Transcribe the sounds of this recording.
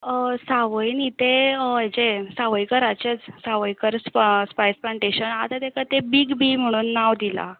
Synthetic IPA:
əsaʋəjnit̪eɦet͡ɕesaʋəjkəɾat͡ɕet͡ssaʋəjkəɾsspajsplaɳʈeɕənat̪at̪ekat̪ebiɡbim̤əɽ̃uːnːaʋd̪ila̰

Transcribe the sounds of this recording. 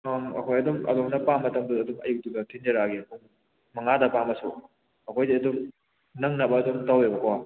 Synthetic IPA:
amɐ̰kʰojɐdumɐ̰doŋnɐpamːɐtɐmduɐdumɐ̰juk̚duɡɐtʰind͡ʒɐɾaɡikuŋ | mɐŋadɐpamɐsṵ | ɐkʰojdiɐdum | nɐŋnɐbɐːdumtawebɐʔwa

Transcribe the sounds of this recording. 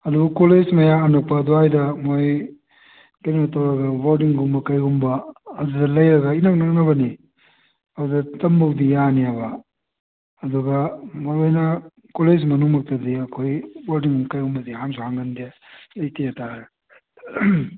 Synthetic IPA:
ɐdubɐkoled͡ʒmɐjaɐnɐk̚pɐduajdɐmoj | kɐjnimɐtɐwɾɐɡɐbaɾdiŋɡumbɐkɐjɡumbɐːdudɐlɐjɾɐɡɐinɐknɐk̚nɐβɐni | ɐudɐtɐmbɐwdijanijabɐ | ɐduɡɐmɐɾojnɐ | koled͡ʒmɐnuŋmɐk̚tɐdiɐkʰojwaɾdiŋumkɐjɡumbɐdiɦamsihaŋɡɐndia | lɐjtejatʰaɾ

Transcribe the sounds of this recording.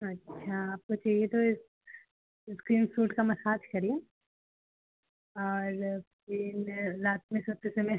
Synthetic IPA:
ɐtːʃʰaaːp̚kot͡ʃaːɦiet̪oɪs | skɾiːnsuːʈkamɐsaːd͡ʒ̪kɐɾĩ | ɔːɾ | inɾaːt̪mẽsɐt̪ːesemẽ

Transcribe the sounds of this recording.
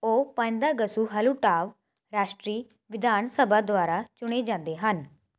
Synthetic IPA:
oːpə̃nd̪aːɡəsuːɦəluːʈaːʋ | ɾaːʃʈɾiː | ʋɪd̪ʱaːnsəbʱaːd̪owaːɾaːt͡ʃʊɽ̃eːd͡ʒãːnd̪eːɦən

